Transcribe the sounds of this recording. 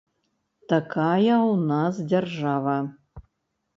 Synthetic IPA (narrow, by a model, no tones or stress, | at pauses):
t̪akajɐwnasd͡zʲarʐavɐ